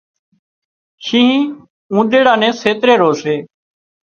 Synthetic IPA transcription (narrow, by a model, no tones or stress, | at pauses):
ʃĩː | ũːɗ̪eːɽaːnẽːseːt̪ɾeːɾoːseː